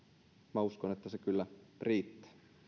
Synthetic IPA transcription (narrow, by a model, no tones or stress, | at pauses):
mæuskonet̪ːæsekylːæriːt̪ːæ̥ː